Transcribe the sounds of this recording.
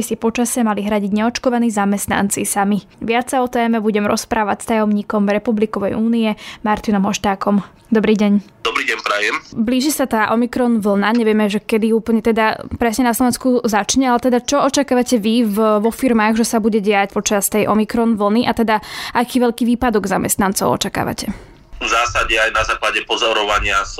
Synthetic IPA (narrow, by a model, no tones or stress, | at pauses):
isipɔt͡ʃasɛmaliɦɾaɟiɟɲɛɔt͡ʃkɔʋaniːzamɛst̪na̰nt͡sisami | ʋɪat͡saɔt̪ɛːmɛbuɟɛmɾɔ̰spɾʔaːʋacst̪ajɔmɲiːkɔmɾɛpublikɔʋɛjuːniɛmaɾt̪inɔmɦɔʃt̪aːkɔm | d̪ɔbɾiːɟɛɲ | d̪ɔbɾiːɟɛnpɾajɛmbliːʒisat̪aːʔɔmikɾɔnʋl̩naɲɛʋɪɛmɛʒɛkɛd̪iuːpl̩ɲɛt̪ɛd̪apɾɛsɲɛnas̬lɔʋɛnskuzat͡ʃɲɛalɛt̪ɛd̪at͡ʃɔɔt͡ʃakaːʋacɛʋivʋɔfiɾmaːɣʒɛsabuɟɛɟɛacpɔt͡ʃast̪ɛjʔɔmikɾɔnʋl̩niʔat̪ɛd̪aʔakiːʋɛʎkiːʋiːpad̪ɔɡzamɛ̰st̪nant͡sɔʊɔ̰t͡ʃaka̰ːʋa̰cʰɛ | vzaːsaɟɛajnazaːklaɟɛpɔzɔɾɔʋaɲɪas